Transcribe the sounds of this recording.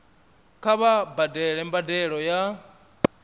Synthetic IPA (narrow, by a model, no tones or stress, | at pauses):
kʰaβabadɛɺɛmbadɛɺɔja